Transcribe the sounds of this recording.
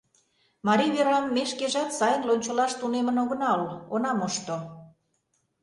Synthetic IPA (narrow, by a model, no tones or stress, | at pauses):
mɑɾiβeɾɑmːeʃkeʒɑt̪sɑjənlonʲt͡ɕolɑʃt̪unemənoɣə̆nɑlonɑmoʃt̪o